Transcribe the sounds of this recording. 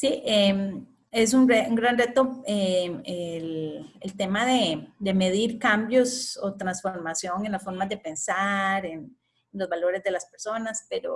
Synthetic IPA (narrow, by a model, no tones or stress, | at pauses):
siʔem | es̬uŋreuŋɡɾanre̞t̪oeelelt̪e̞maðe̞d̪e̞me̞ð̞iɾkambjo̞sot̪ɾansfo̞ɾmasjo̞ŋe̞nlasfo̞ɾmazd̪e̞pe̞nsaɾen | nlozbalo̞ɾezd̪e̞laspe̞ɾso̞naspe̞ɾo̰